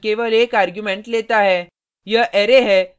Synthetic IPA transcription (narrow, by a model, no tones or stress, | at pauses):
keʋəlekaɾɡjumeɳʈlet̪aɦɛ | jəʔeɾeɦɛ